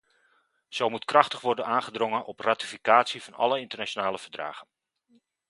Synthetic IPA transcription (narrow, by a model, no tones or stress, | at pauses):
z̥owmutkrɑχtəχʋɔrdənaːnχədroŋənʔɔpratifikaːtsivɑnɑ̰ləɪntərnat͡ʃonaːləvərdra̰ːɣən